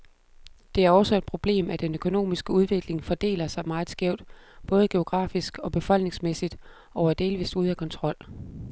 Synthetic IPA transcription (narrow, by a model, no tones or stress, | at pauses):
d̥e̝æɐɒ̽sɒ̽e̝d̥̚pʰʁo̝b̥le̝̰ːmæd̥enøkʰo̝no̝̰ːmisɡ̥əuð̞ˠʋe̝ɡ̥le̝ŋfɒ̽d̥e̝̰ːlɐsɑ̈ɪmɑ̈ːð̞̩ˠsɡ̥ɛʊ̰d̥b̥ɔ̽ːð̞̩ˠɡ̥e̝o̝ɡ̥ʁɑ̰̈ːfisɡ̥ɒ̽b̥e̝fɒ̽l̰ɡ̥ne̝ŋsmesid̥ | ɒʊæd̥e̝ːlʋḭːsuð̞ˠækʰɒ̽nt͡sʰʁɒ̽l̰